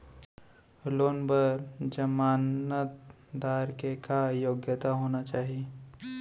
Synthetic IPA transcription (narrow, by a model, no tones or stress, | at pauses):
loːnbəɾd͡ʒəmaːnət̪ | d̪aːɾkekajoːɡjət̪aɦoːnat͡ʃaːɦie